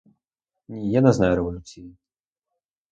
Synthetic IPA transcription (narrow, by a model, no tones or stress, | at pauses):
nʲijɛnaznajɾɛvɐlʲut̪sʲiji